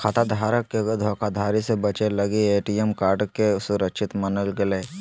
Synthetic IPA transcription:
kʰat̪ad̪ʱaːɾəkːed̪ʱɔːkʰad̪ʱaːɾisebət͡ʃelɐɡieːʈiemkaːɾɖkesʊɾəkʃɪt̪mɐnəlɡɪle

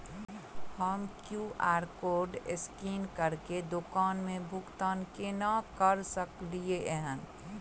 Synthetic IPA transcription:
həmkjuʔaːɾkoːɾɖeskiːnkəɾked̪okaːnmẽbʱʊkt̪aːnkenakəɾsəklieʔɦən

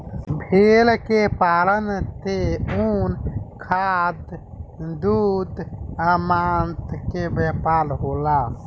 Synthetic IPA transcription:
bʱeːlkepaːlənt̪euːnkʰad̪ | d̪ud̪aːmaːnt̪kebepaːlɦoːla

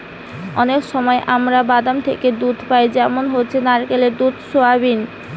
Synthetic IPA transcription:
ɔnekʃɔmɔeʔamɾabad̪amt̪ʰeked̪ud̪ʱpajd͡ʑɛmonɦotːt͡ɕʰenaɾkeleɾd̪ud̪ʱsoabin

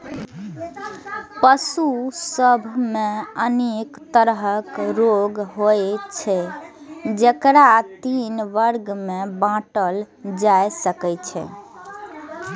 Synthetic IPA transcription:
pəsusəbʱmeənekt̪əɾɦəkɾoɡɦojt͡ʃʰɛ | d͡ʒekɾat̪inʋəɾɡmebãʈəl | d͡ʒajsəkɛt͡ʃʰɛ̰

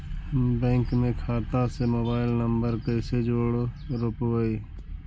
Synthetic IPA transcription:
bɛ̃ːŋkmẽkʰaːt̪ãsemoːbaːɪlnəmbəɾkəːsed͡ʒoːɽ | ɾʊpʋəiː

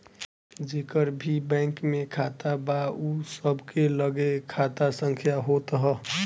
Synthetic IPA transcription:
d͡ʒekəɾbʱibɛ̃ŋkmẽkʰat̪abausəbʱkeləɡekʰat̪asəŋkʰjaɦot̪ɦɛ

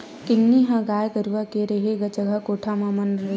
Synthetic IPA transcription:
kɪnːiɦãɡaːjkəɾuʋakeɾɐɦeɡad͡ʒɐɡʱakoːʈʰamãmɐnɐ

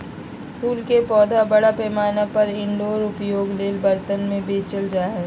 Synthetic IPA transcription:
puːlkepɔːd̪ʱabɐɽapɛːmaːnapɐɾɪ̃ɳɖoːɾʊpjoːɡleːlbɐɾt̪ənmẽbeːt͡ʃəld͡ʒaːɦɛ

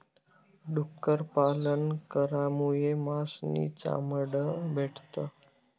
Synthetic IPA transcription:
ɖukːəɾpalənkəɾamujemasnḭt͡ɕa̰məɽəbʱeʈt̪ə

